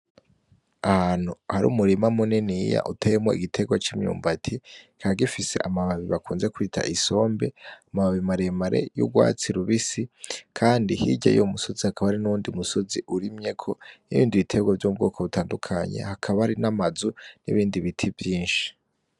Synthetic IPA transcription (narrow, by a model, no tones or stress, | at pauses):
ahaːn̥huhaɾṵːmuɾimamuninija̰ʔutʰemweiɡitʰe̞ɡwat͡ʃiːmɲṵːmbatʰikʰaɡifise̞̰ʔamaβaβiβakuːnze̞kuitʰa̰ʔiso̞ːmbe̞amaβaβimaɾemaɾe̞̰jṵɡwa̰ːt͡siɾuβisikʰaːndihiɟa̰jomuso̞zihakʰaβaaɾinuuːndiumuso̞ziʔuɾimɲe̞kʰo̞niβḭːndiβitʰe̞ɡwavjob̚ɡoːkaβutʰaːndukʰaɲe̞̰hakʰaβaɾinamazunḭβiːndiβitʰivjiːnʃi̥